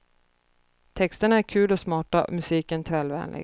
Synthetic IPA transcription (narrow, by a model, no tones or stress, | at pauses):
t̪ʰɛkst̪əɳaæɾkʰʉ̟ːlɔsmɑːʈaɔ̰mɵsiːkənt̪ʰɾɛːlvɛ̰ːnlɪ̰ɡ